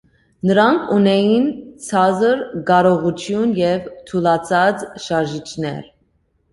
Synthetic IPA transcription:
nəɾɑŋkʰunɛjint͡sʰɑzəɾɡɑɾɔʁut͡ʃʰjunjɛvt̪ʰulɑt͡sʰɑt͡sʃɑɾʒit͡ʃʰnɛ̰ɾ

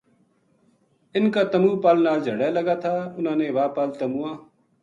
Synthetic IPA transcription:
ɪnkaːt̪əmuːpaːlnaːld͡ʒʱəɽaːləɡaːt̪ʰaːʊnãːnẽːʋaːpaːlt̪əmuːãː

